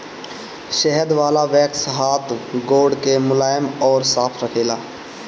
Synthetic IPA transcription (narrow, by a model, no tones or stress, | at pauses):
ʃɛɦəd̪ʋaːlaʋɛːksɦaːt̪ʰɡoːɖkemʊlaːjəmɔːɾsaːpʰɾəkʰeːlaː